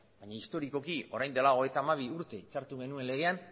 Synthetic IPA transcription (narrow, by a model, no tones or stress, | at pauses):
baɲaist̪o̞ɾiko̞kio̞ɾajnd̪elao̞et̪aːmaβ̞iuɾt̪e̞it͡ʃaɾt̪uɣe̞nue̞nle̞ɣ̞e̞an